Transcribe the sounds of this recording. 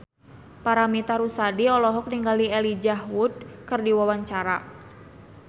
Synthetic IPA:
paɾamit̪aɾusadiɔlɔɦɔk̚niŋɡaliɛlid͡ʒahwud̚kɨrdiwawaɲt͡ʃaɾa

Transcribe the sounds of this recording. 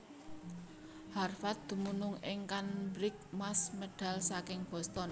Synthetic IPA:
harfat̪̚d̪̥ṳmunʊŋɪ̰ŋkanbɾɪk̚masməɖ̥a̤lsakɪŋb̥ɔ̤st̪ɔn

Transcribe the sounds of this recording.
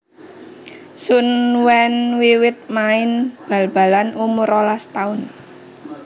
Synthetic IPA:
sunwɛnwiwɪt̪̚maɪnb̥a̤lb̥a̤lanumʊɾɔlast̪aʊn

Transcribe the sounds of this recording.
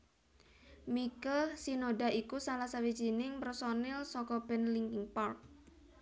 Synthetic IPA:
mikəlsinoɖa̤ʔikusalahsawi̥d͡ʒ̥i̤nɪŋpərsɔnɪlsɔkɔb̥ɛ̤nliŋkŋpark̚

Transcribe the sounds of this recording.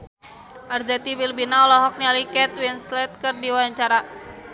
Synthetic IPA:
ʔarzɛt̪iwilbinaɔlɔɦɔk̚nialikɛt̪winslɛt̪̚kɨrdiwaaɲt͡ʃaɾa

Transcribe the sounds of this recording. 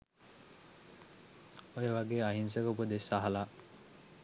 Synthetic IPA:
ojeʋɐɡeːɐɦins̬ekopud̪esaɦɐlaː

